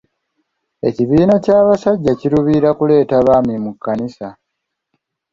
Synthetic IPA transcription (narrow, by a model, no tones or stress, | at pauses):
e̞ciβiːnacaːβasaɟːaciɾuβiɾakule̞ːtaβaːmimukːanisa